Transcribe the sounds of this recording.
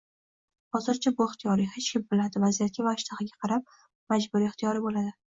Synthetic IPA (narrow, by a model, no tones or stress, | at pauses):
hɒzɪɾt͡ʃʰabʊɪχt̪ʰijɒɾihe̞t͡ʃkʲʰɪmbɪlad̪ɪvazijat̪̚kʲavaɪʃt̪ʰaχɪɡʲaqʰɑɾap̚ | mad͡ʒbʊɾiɪχt̪ʰijɒɾɪbolad̪ɪ